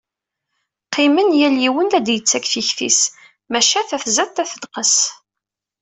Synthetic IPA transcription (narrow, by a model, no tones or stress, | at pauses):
qːimənjæljiwənlæd̪jət͡sːækθiçθḭs | mæʃæθæθzæt̪ːæθəd̪qəs